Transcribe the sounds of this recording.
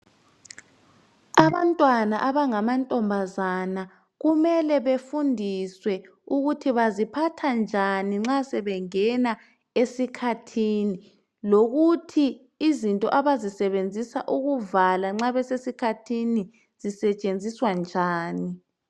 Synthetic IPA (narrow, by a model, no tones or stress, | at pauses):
aβantʼwanaʔaβaŋamantʼɔmbʱazana | ɣumɛlɛβefundʱiswɛ | uɣutʰiβazipʰatʰand͡ʒʱaniŋ͡ǁasɛβɛŋɛna | esikʰatʰini | loɣutʰiː | zintʼɔ̰ʔaβazisɛβend͡zʱisa̰ʔuɣuvalaŋ͡ǁaβɛsesikʰatʰini | z̥isɛt͡ʃʼend͡zʱiswand͡ʒʱaːni